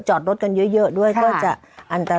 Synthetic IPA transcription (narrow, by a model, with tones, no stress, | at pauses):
t͡ɕɔ˨˩t̚o˦˥t̚kə˧nzɨ˨˦jzə˧˦˨ɗu˧˩əjkɔ˨˦t͡ɕa˧˩ | ʔa˧˩nt̪aː˧˩